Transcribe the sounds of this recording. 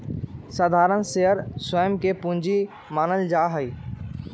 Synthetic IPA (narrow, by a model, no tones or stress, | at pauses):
səd̪ʱaːɾənseɦəɾsəjəmkepũɲd͡ʑi | maːnəld͡ʒaːɦəiː